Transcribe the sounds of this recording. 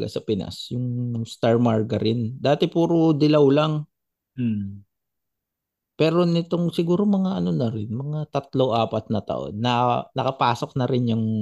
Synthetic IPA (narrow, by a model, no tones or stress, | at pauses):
ɡa̰sɐpɪna̰sjʊŋst̪aɹmaɹɡɐɾɪnd̪aːt̪ɛpuːɾod̪ɪlɐwlɐŋ | m̩ | pɛːɾo̞nɪt̪oŋsɪɡuːɾo̞mɐŋaʔɐno̞nɐɾɪnmɐŋat̪ɐt̪loʔaːpɐt̪̚nɐt̪ɐ̰ʔo̰nːɐnɐkɐpaːso̞k̚nɐɾɪnjʊŋ